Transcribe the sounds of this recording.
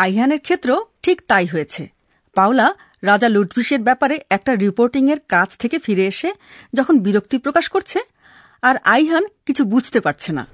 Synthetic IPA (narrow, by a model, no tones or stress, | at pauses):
ajɦaneɾkʰet̪ːɾoʈʰikt̪ajɦoet͡ɕʰe | pawla | ɾad͡ʑaluʈbiʃeɾbɛpaɾeɛk̚ʈaɾipoɾʈiŋeɾkad͡ʑʰt̪ʰekefiɾeeʃe | d͡ʑɔkʰonbiɾok̚t̪ipɾokaʃkoɾt͡ɕʰe | aɾajɦankit͡ɕʰubud͡ʑʱt̪epaɾt͡ɕʰena̰